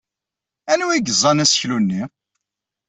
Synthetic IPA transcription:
ænuwiɡəzˤɑnæsçlunːi

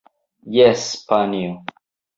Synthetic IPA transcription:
jɛspanio

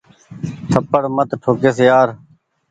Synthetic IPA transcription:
t̪ʰəpəɽmət̪ʈʰoːkeːsjaːɾ

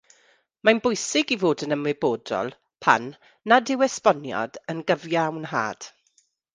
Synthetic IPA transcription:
manbʊjsɪɡivoːdənəmwɪboːdɔ̰lˠ | pʰa̰nː | adɪwɛspɔnjɔ̰d̥ənɡəvjawnɦa̰ːd̥

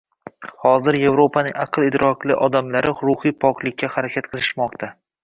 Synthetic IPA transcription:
hɒzɪɾje̞vɾo̞pʰanɪŋɑqʰɨlˠɪd̪ɾɒklˠɪ̰ʔɒd̪amlaɾɪɾʊhɨpʰɒqlˠɪkʲːahaɾakʲʰat̪qʰɨlˠɪ̥ʃmɒqt̪ʰa

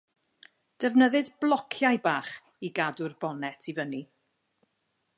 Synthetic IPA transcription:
d̥ɛvnəðɨdblˠɔkʰjajbaːχ | iɡadʊrbɔnɛtʰivəni

